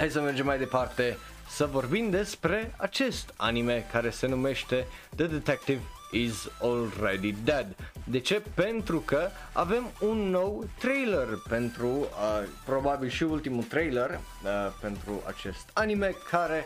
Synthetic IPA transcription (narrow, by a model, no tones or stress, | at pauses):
hajsəmerd͡ʒemːajd̪e̞part̪e̞ | səvo̞rbimd̪e̞spɾe̞at͡ʃe̞st̪a̰nime̞kaɾe̞se̞nume̞ʃt̪e̞ | d̪əd̪et̪ɛk̚t̪iv | izolred̪id̪ɛd̪d̪e̞t͡ʃe̞pe̞nt̪ɾukə | a̰ve̞munːo̞wt̪ɾejlerpe̞nt̪ɾuəpɾo̞babilʃiult̪imut̪ɾejler | əpe̞nt̪ɾua̰t͡ʃe̞st̪anime̞kʰaɾe̞